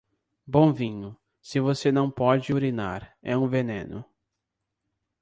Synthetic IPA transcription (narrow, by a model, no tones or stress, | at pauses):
bõw̃vĩɲʊ | sɪvosenɐ̃w̃pɔd͡ʒɪuɾina̰ɾɛ̰ũvenḛ̃nʊ̰